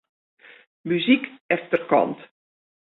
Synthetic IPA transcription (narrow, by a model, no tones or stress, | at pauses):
myzikɛftərkɔ̰nt